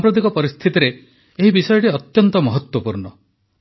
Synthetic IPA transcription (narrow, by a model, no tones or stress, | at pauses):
mpɾɔd̪ikɔpɔɾist̪ʰit̪iɾeː | ɦibisɔjɔʈeɔt̪jɔnt̪ɔmɔɦɔt̪wɔpuɾɳɔ